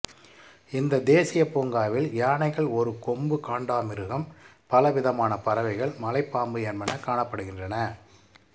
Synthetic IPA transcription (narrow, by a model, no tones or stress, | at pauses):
ɪnd̪ɐd̪eːsɪjɐpoːŋɡaːʋɪljaːɳɐɪɣɐɭɔɾɯkɔmbɯkaːɳɖaːmɪɾɯɣɐm | pɐlɐʋɪðɐmaːnɐpɐɾɐʋɐɪɣɐɭmɐlɐɪpːaːmbɯjɛnmɐnɐkaːɳɐpːɐɽɯɣɪndrɐnɐ